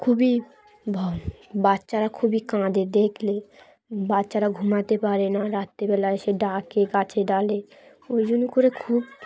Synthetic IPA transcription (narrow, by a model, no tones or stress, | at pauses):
kʰubi | bʱbatːʃaɾakʰubikãd̪ed̪ekʰle | batːʃaɾaɡʱumat̪epaɾenaɾat̪ːebɛlaeʃeɖãkekat͡ɕʰeɖale | ojd͡ʑonikoɾekʰub